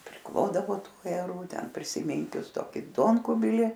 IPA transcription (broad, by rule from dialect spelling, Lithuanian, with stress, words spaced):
pʲrʲɪˈklˠoːdɐʋoː ˈtuː ɐjɛˈruː ˈtʲɛn pʲrʲɪsʲɪˈmʲiːŋʲkʲʊs ˈtoːkʲɪ ˈduɔŋkʊbʲɪlʲɪ